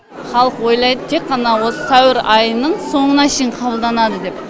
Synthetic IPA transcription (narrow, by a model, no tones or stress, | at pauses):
χɑlˠəqwo̞jlˠɑjd̪ət̪ʰekqːɑnɑwo̞sə̥sæwɪɾɑjənəɴso̞ɴənɑʃenqʰɑbəlˠd̪ɑnɑd̪əd̪e̞p̚